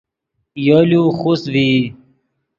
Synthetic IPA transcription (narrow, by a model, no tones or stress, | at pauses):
joljuxusvi